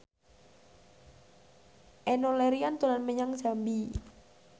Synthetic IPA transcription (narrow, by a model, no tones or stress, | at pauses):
ʔɛnolɛɾiant̪ulanməɲaŋsambi